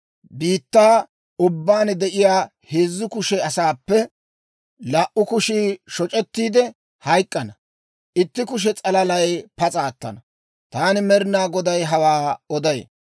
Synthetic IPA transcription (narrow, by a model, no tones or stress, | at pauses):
biːt̪ːaː | ʊbːaːnd̪ɛʔɪjaː | heːzːʊkʊʃɛɐsaːpːɛ | laʔʔʊkʊʃiːʃɔt͡ʃʼɛt̪ːiːd̪ɛ | hɐjkʼːɐnɐ | ʔɪt̪ːɪkʊʃ̬ɛt͡sʼɐlɐlɐjpɐt͡sʼaːt̪ːɐ̰nɐ | t̪aːnɪmɛɾnaːɡɔd̪ɐjɦɐwaːɔd̪ɐjḛ